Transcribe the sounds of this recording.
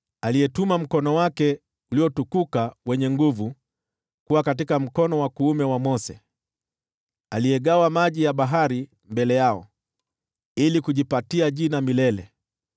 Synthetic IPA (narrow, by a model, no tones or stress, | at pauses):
aliɛtumam̩kɔnɔwakɛ | uliɔtukukawɛɲɛŋɡuvu | kuwakatikam̩kɔnɔwakuːmɛwamɔsɛ | alijɛɠawamaʄijaɓaɦaɾi | mbɛlɛjaɔ̰ | ilikuʄipatiaʄinamilɛlɛ̰